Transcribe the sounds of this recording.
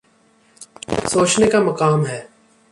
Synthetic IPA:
soːt͡ʃnekamɐkaːmɦɛː

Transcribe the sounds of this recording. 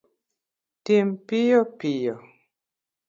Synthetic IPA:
timpijɔpijɔ

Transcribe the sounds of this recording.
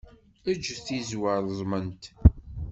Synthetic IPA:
æd͡ʒːθizwəɾðˤzˤmənt̪

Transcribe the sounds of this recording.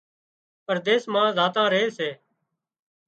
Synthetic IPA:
pəɾd̪eːsmãːzaːt̪ãːɾəɦeːseː

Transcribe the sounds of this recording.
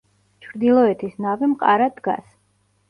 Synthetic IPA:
t͡ʃʰɾd̪ilˠɔɛt̪ʰisnavimqʼa̰ɾad̪ɡa̰s

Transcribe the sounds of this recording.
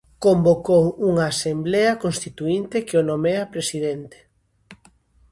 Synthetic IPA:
kombokowuŋaːsemblɛɐkonst̪it̪uint̪ekeonomeɐpɾesiðent̪e̥

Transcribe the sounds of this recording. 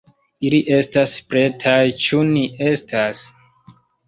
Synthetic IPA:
iliʔe̞staspɾe̞tʰajt͡ʃuniʔe̞stʰas

